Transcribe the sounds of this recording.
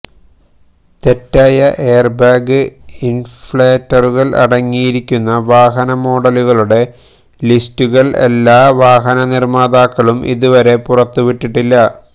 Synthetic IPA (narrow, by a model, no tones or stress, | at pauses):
t̪e̞tːaːjɐʔe̞ːrbaːɡɨinfɭeːtːɐruɣɐɭʔɐ̰ɽɐŋːijiɾikʲːunːɐʋaːɦɐnɐmo̞ːɽɐluɣɐɭuɽe̞ | listuɣɐɭḛlːaːʋaːɦɐnɐnirmaːd̪aːkːɐɭumʔḭðuʋɐɾe̞purɐt̪ːuʋiʈːiʈːilːɐ